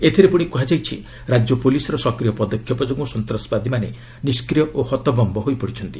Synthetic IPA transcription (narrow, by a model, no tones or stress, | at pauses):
et̪ʰiɾepuɽ̃ikuɦad͡ʒajt͡ʃʰḭ | ɾad͡ʒjɔpolisɔɾɔsɔkɾijɔpɔd̪ɔkʰjɔpɔd͡ʒoɡmɔsɔnt̪ɾɔspad̪ʱimane | niskɾijɔʔohɔt̪ɔbɔmbɔɦojpɔɽit͡ʃʰɔnt̪i